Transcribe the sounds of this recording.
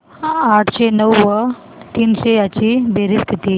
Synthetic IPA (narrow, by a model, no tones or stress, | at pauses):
aʈʰɕenəwːə | t̪iːnɕejat͡ɕiːbeɾiskit̪i